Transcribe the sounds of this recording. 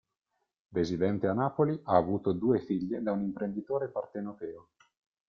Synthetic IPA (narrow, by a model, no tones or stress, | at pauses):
d̪ezid̪ɛnt̪eanːaːpoliʔaːvuːt̪od̪uːefiʎːed̪aunimpɾend̪it̪oːɾepart̪enot̪ɛːo